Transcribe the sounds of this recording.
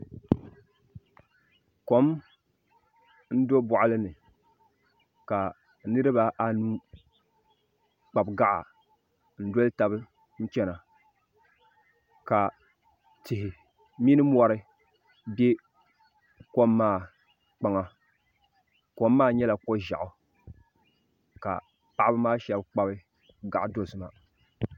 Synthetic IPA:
ko˦m | n̩˦do˦bʊ˨ʔa˦lɨ˦nɨ˨ | ka˨˦ | nɨ˦ɾɨ˦ba˦ʔa˦nuː˦ | k͡pa˨bɡa˦ʔa̰˨ | n̩˦do˦lta˨bɨ˦ | n̩˦t͡ʃɛ˦na˨ | ka˨ | tɪ˨hɪ˨ | mi˦nɨ˦m˦ɔ˦ɾɨ˦ | bɛ˦ | ko˦mːaː˦˨ | k͡pa˦ŋa˨ | ko˦mːaː˦˨ɲɛ˦la˨kɔ˦ʒa̰˨ʔʊ˨ | ka̰˨ | pa˦ʔa˦bɨ˦maː˦ʃɛ˨bk͡pa˦bɨ˦ | ɡa˨ʔdo˦sɨ˨ma˨

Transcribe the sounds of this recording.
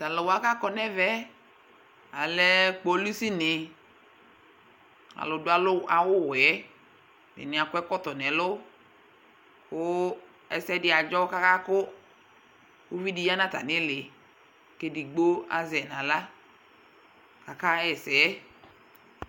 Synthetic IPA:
ta˨lɛ˨wa˦ka˦kɔ˨nɛ˦vɛ˨˦ | a˨lɛ˦k͡po˨˦lu˦si˦nɪ˨ | a̰˨lʊ˨dʊ˨˦a˨lʊ˦a˨wʊ˦˨wɛ˨˦ | mɪ̰˨nɪ˨a˨kʊ˦ɛ˦kɔ˦tɔ˨n˨ɛ˨˦lʊ˦ | kʊ˦ | ɛ˨sɛ˦dɪ˦a˨d͡ʒɔ˦ka˦ka˦kʊ˦ | u˦vi˦di˨ja˦nã˦ta̰˨nɪ˦lɪ˨ | ke˦di˨ɡ͡bo˦a̰˨zɛ˨nã˨la˦ | ka˨ka˦ɛ˨sɛ˨˦

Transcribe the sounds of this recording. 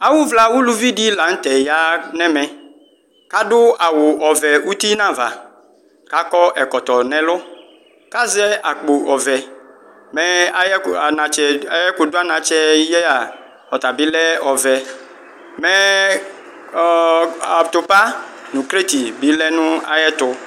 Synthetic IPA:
a˨wʊ˦vla˨wu˦lu˨vi˦di˦la˨ŋ̩˦t̪ɛ˨ja˦nɛ̃˦mɛ̃˨ | ka˦dʊ˦a˨wʊ˨ʔɔ˨vɛ˨u˦t̪i˦nã˦va̰˨ | ka˦kɔ˦ʔɛ˨kɔ˨t̪ɔ˨nɛ̃˦lʊ˦ | ka˦zɛ˦a˨k͡po˨ʔɔ˨vɛ˨ | mɛ˦a˦jɛ˦a˨na˨t͡ʃɛ˨a˦jɛ˦kʊ˨dʊ˦a˦nã˨t͡ʃɛ˦jɛ˦a˨ | ɔ˨t̪a˨bɪ˦lɛ˦ɔ˨vɛ˨ | mɛ˦˨ | a˨t̪ʊ˨pa˦nʊ̃˨kɾe˦t̪i˨bɪ˨˦lɛ˦nʊ̃˦a̰˨jɛ˦t̪ʊ˦

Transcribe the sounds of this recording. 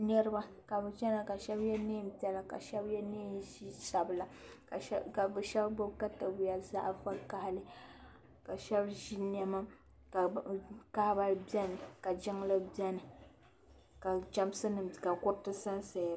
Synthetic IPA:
nɛ˦ɾɨ˦ba˦ | ka˨bɨ˨t͡ʃɛ˦na˦ka˨ʃɛ˦bjɛ˦neː˦˨m̩˦pi˦ɛ˦la˦ka̰˨ʃɛ˦bjɛ˦ne˦ʒi˦sa˨bɨ˨la˨ka˨˦ka˨bɨ˨ʃɛ˦bbo˦ka˦ta˨bu˦ja˨za̰˦ʔfa˦ka˦ha˦lɨ˦ | ka˨ʃɛ˦bʒi˦n˦ɛ˦ma˦ | kka˦ha˦ba˦bjɛ˦nɨ˨ka˨d͡ʒɪ˦ŋlɨ˦bjɛ˦nɨ˨ | ka˨d͡ʒa˦m˦sɨ˦nɨ˨mka˨kʊ˦tɨ˦sa˦nsɛ˨jɾ

